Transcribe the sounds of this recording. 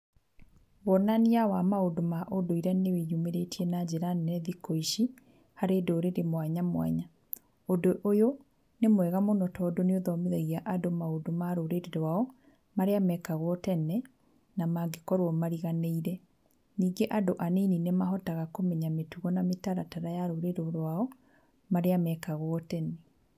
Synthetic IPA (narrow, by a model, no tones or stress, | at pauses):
βɔnaniawamaodomaʔodoiɾanewejumeɾetiɛnad͡ʑeɾanɛðikoiʃi | haɾedoːɾeɾemwaɲamwa̰ɲa | odoʔojo | nemwɛɣamonɔtɔdoneoðɔmeðɛɣiaʔadomaodomaɾoɾeɾeɾowaɔ | maɾeamɛkaɣwɔtɛnɛ | namaɡekɔɾwɔmaɾiɣaneiɾɛ | niːɡeʔadoʔaneninemaɦɔtaɣakomɛɲametuɣɔnametaɾataɾajaɾoɾeɾoɾwaɔ | maɾeamɛkaɣwɔtɛne